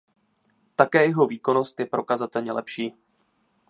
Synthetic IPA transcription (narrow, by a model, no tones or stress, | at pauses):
t̪akɛːjɛɦo̞viːko̞no̞st̪jɛpɾo̞kazat̪ɛlɲɛlɛpʃiː